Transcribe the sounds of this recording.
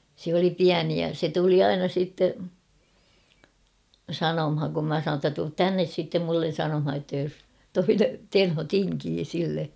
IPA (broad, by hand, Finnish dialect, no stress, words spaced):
sĕ oli piæni jɑ se tuli ɑinɑ siˑtːe sɑnomhɑŋ kum mæ sɑnoːn tːæ tuːt tænːes sitːem mulːen̞ sɑnomhɑ j̆otːɑ jos toine tenho tiŋkiː silːe